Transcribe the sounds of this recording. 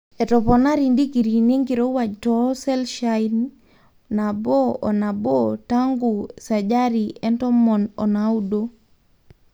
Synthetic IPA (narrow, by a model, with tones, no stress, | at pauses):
ɛ˨tɔ˨pɔna˦ɾi˨ndi˦ki˨ɾi˨ne˦ŋɡi˨ɾo˦wa˨d͡ʒtɔ˦sɛ˦lʃain | na˨bɔ˦ɔ˨na˨bɔta˦ŋɡu˨sa˨d͡ʒa˦ɾi˨ɛ˦ntɔ˦mɔ˨nɔ˨na˨u˦do˦